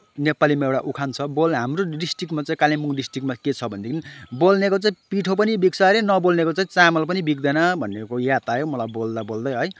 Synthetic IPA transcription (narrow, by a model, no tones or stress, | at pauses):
nepalimaewʈaʔukʰant͡sʰʌbolɦamroɖisʈikʈmat͡saĩkalimuŋɖisʈrikmaket͡sʰʌbʱʌnd̪ekinibolnekot͡saĩpiʈʰop̬ʌnibik̚saɾenʌbolnekot͡saĩt͡samʌlpʌnibik̚d̪ʌnʌbʱʌnːekojat̪ajomʌlajbold̪abold̪ʌjɦʌj